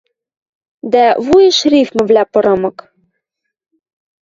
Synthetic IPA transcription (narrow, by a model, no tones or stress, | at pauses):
d̪ævujə̆ʃrifmɘ̆vlʲæpɤ̆ɾɤ̆mɤ̆k